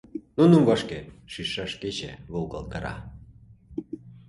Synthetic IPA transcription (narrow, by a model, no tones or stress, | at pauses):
nunumvɑʃkeʃiʃɑʃket͡ɕḛβolkɑ̰lˠk̪əɾɑ̰